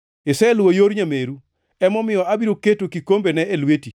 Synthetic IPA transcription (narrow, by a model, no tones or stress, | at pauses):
ɪsɛlwojoɾɲameɾu | ɛmɔmɪjɔabiɾoketokikombenɛelweti